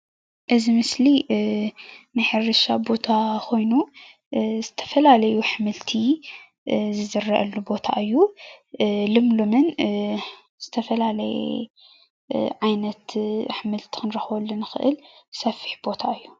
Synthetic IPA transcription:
ʔɨzimɨsli | nɨħɨrɨʃabo̞t̪ʰakʰo̞jnu | zɨt̪ʰɐ̥fɐlalɐjuħɨmɨlt̪ʰi | zɨzɨrɐʔɐlːubo̞t̪ʰa̰ʔɨjːu | lɨmlumɨn | z̥ɨt̪ʰɐfɐlalɐjɛ̰ | ʕajnɐt̪ħɨmɨlt̪ʰi̥kʰɨnɾɐxwɐlːunɨxɨʔɨ̰lsɐfːi̥ħbo̞t̪ʰaʔɨjːu

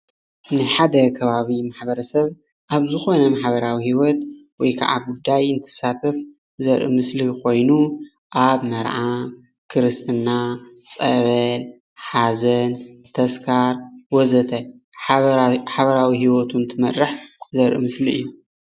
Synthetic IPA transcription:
nɨħad̪ɐkʰɐβaβimaħbɐɾɐsɐβ | ʔaβzɨxo̞nɐmaħβɐɾawihiwɔt̪wɔjkʰa̰ʕa̰ɡud̪ːajɨnt̪ʰɨ̥sːat̪ʰɐf | zɐɾʔɨ̰mɨslikʰo̞jnu | ʔaβmɐɾʕa | kʰɨɾɨst̪ʰʼɨnːat͡sʼɐβɐl | ħazɐnt̪ʰɐskʰaɾwɔzɐt̪ʰɐ | ħaβɐɾawiɦiwɔt̪ʰunt̪ʰɨmɐɾɨħzɐɾʔɨ̰mɨsliɨ̰jːu

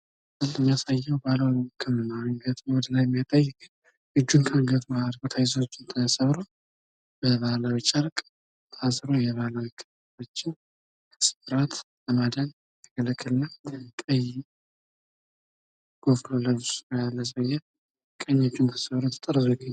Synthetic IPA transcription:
sɨlmːijasajːɛwbaləwkʰəmɨnaŋɡət̪wɔd̪əlajɛmːijat̪ʼajːɪk | ʔɨd͡ʒːuŋkʰaŋɡət̪mad̪ɡot̪ʰajɪzot͡ʃːɪnt̪ʰəsəβɾo | b̥əβahlawit͡ʃʼəɾkʼ | t̪ʰasɾojɛβəhlawikʰə | o̞t͡ʃːɪn | kʰə̥sɨ̥fɨɾat̪ | ləmad̪ən | t̪ʰəkʰələkʰːɨlɨnːat̪ʼəji | ɡ̥ofloləaləs̬əjɛ | kʼəɲːat͡ʃːɪnt̪ʰə̥səβɾot̪ʰə̥t̪ʼəɾβɨɡɨ

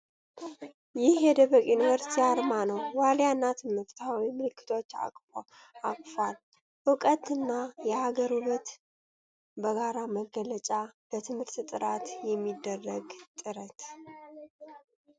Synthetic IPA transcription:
jɪhjɛd̪əβəkʼjunivəɾsi̥t̪ʰiaɾmanəwwaljanːat̪ʰɨmɨɾt̪ʰawimɨlɨkʰːɨ̥t̪ʰo̞t͡ʃːa̰kʼfo | akʼfal | ʔɨkʼət̪ɨnːajɛhaɡəɾulət̪ | bəɡaɾaməɡːələt͡ʃʼabət̪ʰɨmhɨɾt̪t̪ʼɨɾat̪jɛmːid̪ːərːəɡt̪ʼɨɾət̪

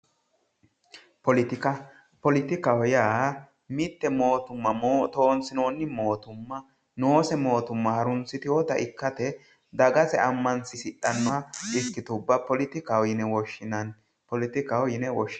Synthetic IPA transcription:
pɔlɪt̪ɪkɐ | pɔlɪt̪ɪkɐhɔjaː | mɪt̪ːɛmo̞ːt̪ʊmːɐmːt̪oːnsɪnoːnːɪmo̞ːt̪ʊmːɐ | noːsɛmo̞ːt̪ʊmːɐhɐɾʊnt͡sːɪt̪ɪwɔt̪ɐʔɪkːɐt̪ɛ | d̪ɐɡɐsɛɐmːɐnsɪsɪᶑːɐnːɔʔɪskːɪt̪ʊbːɐpɔlɪt̪ɪkɐwɔjɪnɛwɔʃːɪnɐn | pɔlɪt̪ɪkɐwɔjɪnɛwɔʃɪ

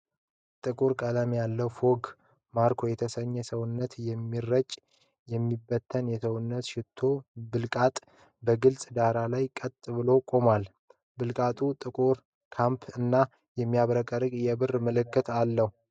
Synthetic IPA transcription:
t̪ʼɨkʼuɾkʼəlamjalːəwfo̞ɡ | maɾkʰo̞jɛt̪ʰəsəɲːɛsəwʊnːət̪jɛmːirːət͡ʃʼː | jɛmːibːət̪ʰːənjɛsəwʊnːət̪ʃɪt̪ʰːo̞bɨlkʼat̪ʼ | bəɡɨlsʼd̪aɾalajkʼət̪ʼːɨβɨlo̞kʼo̞mal | bɨlkʼat̪ʼut̪ʼɨkʼuɾ | kʰampʰɨnːa | jɛmːijaβɾəkʼəɾɨkʼjɛbɨrməlɨkːɨt̪ʰalːəhu

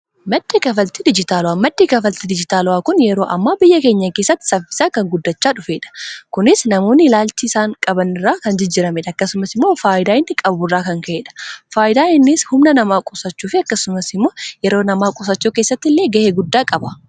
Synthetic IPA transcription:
mɐd̪̥ːeːkɐfɐlt̪ɪd̪ɪd͡ʒɪt̪aːlʊwaːmɐd̪ːeːkɐfɐlt̪ɪd̪ɪd͡ʒɪt̪aːlʊwaːkʊnjɛɾo̞ːʔɐ̰mːaːbɪjːɐke̞ːɲːɐkeːsːɐt̪ːɪ̥sɐfːɪ̥saːkɐŋɡʊd̪ːɐt͡ʃːaːᶑʊfe̞ːᶑɐ̥kʊnɪsnɐmoːnːɪlaːlt͡ʃɪːsaːŋkʼɐbɐnɪrːaːkɐnd͡ʒɪd͡ʒɪɾɐmɛᶑɐɐkːɐsʊmɐsɪmːo̞ːfaːʔɪd̪aːɪnːɪkʼɐburːaːkɐŋkɐeːᶑɐ̥faːʔɪd̪aːɪnːɪshʊmnɐnɐmaːkʼʊsɐt͡ʃːuːfɪɐkːɐsʊmɐsɪmːo̞ːjɛɾoːnɐmaːkʼʊsɐt͡ʃːuːke̞ːsːɐt̪ːɪlːe̞ːɡɐheːɡʊd̪ːaːkʼɐbɐ

